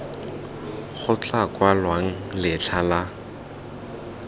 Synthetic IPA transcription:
χʰʊt͡ɬʼakwalwaŋ̩lɪt͡ɬʰala

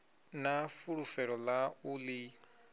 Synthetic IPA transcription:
nafuɺufɛɺɔlauli

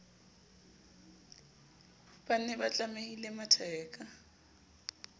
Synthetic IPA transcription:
b̥anɛbat͡ɬʼameilematʰɛːkʼa

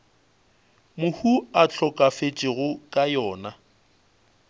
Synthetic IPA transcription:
mʊhuat͡ɬʰɔkʼafet͡ʃʼɪɣʊkʼajɔːna

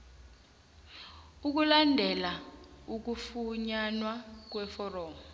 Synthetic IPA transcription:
uk̬ulandʱɛlauk̬ufuɲanwak̬wɛfɔrɔːmɔ

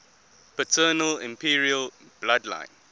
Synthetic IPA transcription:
pətʰəːnəlɪ̰̃mpʰiɹiəl | b̥ladlã̰ɪ̃n

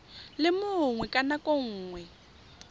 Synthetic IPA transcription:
lɪmʊŋwɛkʼanakʼoŋ̩ːŋwɛ

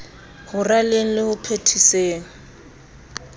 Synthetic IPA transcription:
hʊraleŋ̩lɪhʊpʰetʰiseːŋ̩

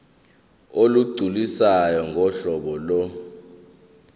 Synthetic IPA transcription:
oluɡ͡ǀʱulisajɔŋɡʱɔɬɔɓɔlɔ

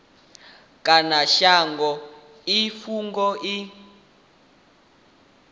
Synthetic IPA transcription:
kʼanaʃaŋɡɔ | ifuŋɡɔʔi

